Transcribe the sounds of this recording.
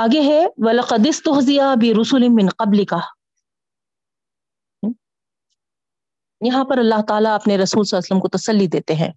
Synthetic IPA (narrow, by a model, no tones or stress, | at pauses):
aːɡeɦɛwɐlɐqɐd̪ɪst̪ʊɦzɪjabɪɾʊsʊlɪmɪnqɐblɪka | jɐɦãpɐɾɐlːaɦt̪aːlaɐpneɾɐsuːlsɐlaːsələmkot̪ɐsɐlːid̪eːt̪eɦɛ̰̃ː